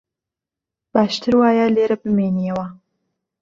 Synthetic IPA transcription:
baːʃt̪ʰɨɾwaːjaleːɾɐbɨmeːnijɛwɐ

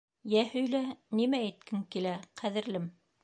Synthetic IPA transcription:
jæhɵ̆jlænimææt̪̚kʰɘŋkilæqʰæðɘ̆ɾlɘm

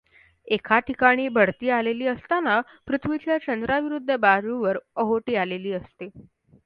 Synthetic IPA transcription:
ekʰaʈʰikaɽ̃iːbʱəɽt̪iːaleliːəst̪ana | pɾut̪ʰʋit͡ɕjat͡ɕənd̪ɾaʋiɾud̪ʱːəbad͡zuʋəɾəɦoʈiːaleliːəst̪e

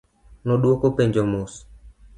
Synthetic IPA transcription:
nɔɗwokopeɲd͡ʒomos

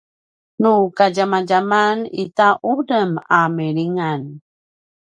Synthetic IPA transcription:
nukaɟamaɟamanḭtaʔudəmameɾiŋan

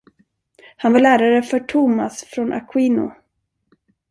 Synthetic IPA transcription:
hanvaɭæːɾaɾəfœʈʰʊma̰sfɾɔnʔa̰kʰwiːnʊ̰

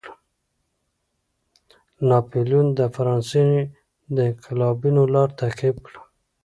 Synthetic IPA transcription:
nɑpeljund̪əfaɾɑnse | d̪əɪqɪlɑbinolɑɾt̪aqib̚kɽ

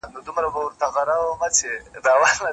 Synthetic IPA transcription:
nod̪ʊmɾabawɾt̪aɣaɾawəmat͡ʃed̪awalna

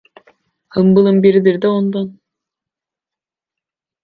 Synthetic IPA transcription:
hɯmbɯlˠɯmbiɾid̪iɾd̪ɛond̪on

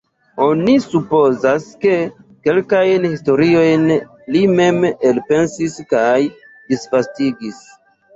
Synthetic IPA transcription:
o̞nisupo̞zaske̞ke̞lkajnhisto̞ɾio̞jn | lime̞melpe̞nsiskaj | disfastiɡis

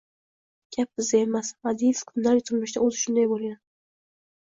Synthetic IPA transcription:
ɡʲʰap̚bɪzd̪aemasvad̪iskʰʊnlaɾjt̪ʰɨɾmɪʃd̪aozɪʃʊnd̪ajbolˠɡʲan

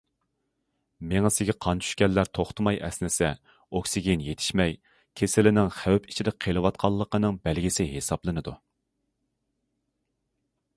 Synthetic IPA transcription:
meŋɪsɪɡʲɛqʰɑnt͡ʃʰy̥ʃkʲɛlːæɾt̪ʰoχt̪ʰɨmɑjʔɛ̰snɪsɛ | okʲsiɡʲinjet̪ʰɪ̥ʃmɛj | kʲʰesɪlɪnɪŋχæwpʰit͡ʃʰid̪ɪqʰelˠɨwɑt̪̚qʰɑlˠːəqənɨŋbælɡʲisɪɦesɑblˠɨnɨd̪u

